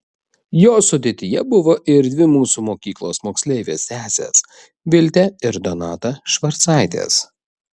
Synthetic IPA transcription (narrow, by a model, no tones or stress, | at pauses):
joːsʊd̪ʲeːt̪ʲɪjɛbʊʋoːʔɪɾd̪ʲʋʲɪmuːsuːmoːkʲiːklˠo̰ːsmoːksʲlʲɛɪʋʲḛːsʲt̪ʲæːsʲḛːs | ʋʲɪlʲt̪ʲɛɪɾd̪ɔnɑːt̪ɐʃʋɐɾt̪sɑˑɪt̪ʲḛːs